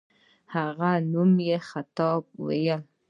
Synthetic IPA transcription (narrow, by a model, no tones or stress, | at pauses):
haʁanumjɛχat̪ɔb̚wejal